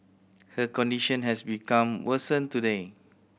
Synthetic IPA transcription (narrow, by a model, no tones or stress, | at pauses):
həkɔ̃ndiʃə̃nɦɛsbikãmwəsə̃ntude